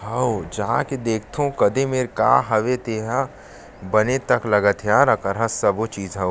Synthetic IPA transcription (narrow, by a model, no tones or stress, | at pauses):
ɦɐod͡ʒɐɦãked̪eːkʰt̪ʰõkɐd̪emeːɾka̰ːɦɐʋet̪eːɦa | bɐnet̪ɐklɐɡət̪ʰjaːɾɐkəɾɦɐsɐbot͡ʃiːzɦɐo